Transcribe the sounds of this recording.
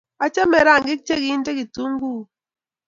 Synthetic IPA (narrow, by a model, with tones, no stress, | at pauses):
a˦t͡ʃa˦mɛ˨ɾa˦˨ŋɡi˦k̚t͡ʃe˦ki˨˦nte˦ki˨tu˦ŋ˦ɡu˦